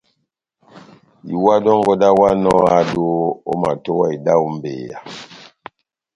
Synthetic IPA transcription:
i˨wa˦dɔ˦ŋɡɔ˦da˦wa˦nɔ˦a˦do˦o̰˦ma˨to˦wa˦i˨da˦u˦m˦bḛ˨ja̰˨

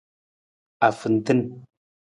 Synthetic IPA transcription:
a˨fɨ˨n˨tɨ˦n

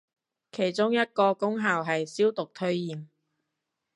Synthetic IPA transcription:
kʰe˨˩jt͡sʊ˥ŋjɐ˥t̚kɔː˧kʊ˥ŋɦaː˨˩wɦɐ˨jsiː˥wt̪ʊ˨k̚t̪ʰɵ˥ɥjiː˨m

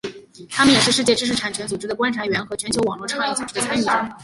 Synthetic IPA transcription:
t̪ʰa˥mə˨njɛ˨˩ʂɻ̩˥˧ʂɻ̩˥˧t͡ɕjɛ˥˧ʈ͡ʂɻ̩˥ʂ̬ɻ̩˥˩ʈ͡ʂʰa˨˩nt͡ɕʰɥɛ˧˥nt͡su˨˩ʈ͡ʂɻ̩˥d̪ə˨kwa˥nʈ͡ʂʰa˧˥ɥɛ˧˥nxɤ˧˥t͡ɕʰɥɛ˥nt͡ɕʰjo˧˥ʊwɑ˨˩ŋlwɔ˥˩ʈ͡ʂʰɑ˥˧ŋji˥˩t͡su˨˩ʈ͡ʂɻ̩˥də˨˩t͡sʰa˥ni˥˩˥

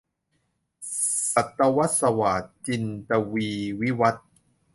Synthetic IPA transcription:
sa˨˩t̪ːa˧wa˦˥t̪̚sa˧waː˨˩˦t̪̚t͡ɕi˧nt̪a˧wiː˧wi˦˥wa˦˥t̪̚

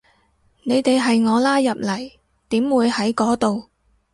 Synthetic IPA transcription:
ne˨˧jt̪e˨jɦɐ˨jŋɔː˨˧laː˥jɐ˨p̚lɐ˨˩j | t̪iː˨˥mwuː˨˧jhɐ˨˥jkɔː˨˥t̪o˨w

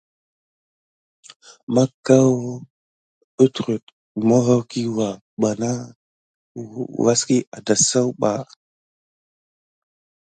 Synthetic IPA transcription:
ma˦ka˦w | ə˦tɾu˨t | ma˦ɣa˦wki˦wa˨ | ɓa˨na˦ | wa˦ski˦ʔa˨da˨sa˦wɓa̰˨

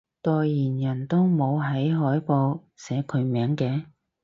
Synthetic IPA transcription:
t̪ɔː˧jːiː˨˩njɐ˨˩nt̪o˥wmo˨˧wɦɐ˨˥jɦɔː˨˥jpo˧w | sɛː˨˧˥kʰɵ˨˧ɥmɛː˨˥ŋkɛː˨˧

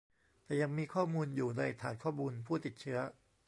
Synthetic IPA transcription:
t̪ɛː˨˩ja˧ŋmiː˧kʰɔː˥˩muː˧njuː˨˩na˧jt̪ʰaː˨˦nkʰɔː˥˩muː˧npʰuː˥˩t̪i˨˩t̪̚t͡ɕʰɯ˦˥ɐ

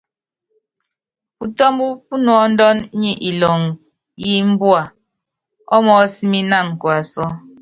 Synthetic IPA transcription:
pu˨tɔ˦m˦bu˦pu˦nɔ˨˦n̩˦dɔ˦n˦ɲi˨ʔi˨lɔ˨ŋ | ji˦m̩˦bwa˨ | ɔ˦mɔ˨˦si˦mi˦na˦˨ŋ˨kwa˨sɔ˦

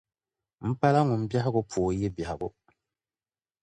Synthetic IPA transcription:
m̩˦pa˦la˦ŋʊ˨m̩˦bja˦ɦɪ˦ɡʊ˦pʰoː˨je˦ba˨hɪ˨ɡʊ˦

